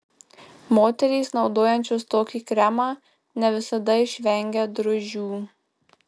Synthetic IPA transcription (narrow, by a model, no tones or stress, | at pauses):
moːt̪ʲɛɾʲiːsnɒʊd̪oːjɛnʲt͡ʃʲost̪oːkʲiːkɾʲæmɑː | nʲɛʋʲɪsɐd̪ɐɪʃʲʋʲɛŋʲɡʲɛd̪ɾʊʒʲuː